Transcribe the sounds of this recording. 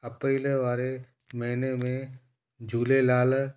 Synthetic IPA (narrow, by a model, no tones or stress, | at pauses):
əpɾiːlʋaːɾe | məɦinemẽ | d͡ʒʱuːlelaːl